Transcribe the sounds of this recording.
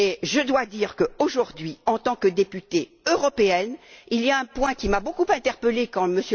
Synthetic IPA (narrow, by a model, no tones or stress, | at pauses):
eʒəd̪wad̪iːʁkəoʒuʁd̪ɥiɑ̃t̪ɑ̃kəd̪epyt̪e | øʁɔpeɛnilijaɛ̃pwɛ̃kʲimabokupɛ̃t̪ɛʁpəlekɑ̃məsjø